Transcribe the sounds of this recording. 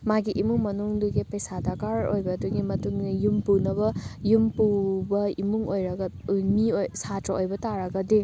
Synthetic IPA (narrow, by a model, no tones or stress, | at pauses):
maɡiʔimuŋmɐnuŋduɡipɐjsadakaɾojbɐduɡimɐtuŋijumpunɐβɐjumpubɐimuŋojɾɐɡɐmiojsatɾɐojbɐtaɾɐɡɐdi